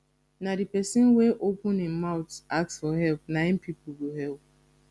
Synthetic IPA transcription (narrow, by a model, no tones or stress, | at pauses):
nadipɛsɪ̃nweʔopʊ̃nɪ̃maʊtak̚sfɔɦɛlpnãɪ̃mpipʊɡoɦɛlp̚